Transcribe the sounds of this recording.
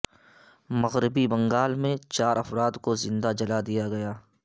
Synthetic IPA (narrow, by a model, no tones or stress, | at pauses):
mɐɣɾɪbibɐ̃ŋɡaːlmẽt͡ʃaːɾɐfɾaːd̪kozɪ̃nd̪ad͡ʒɐlad̪ijaɡɐjaː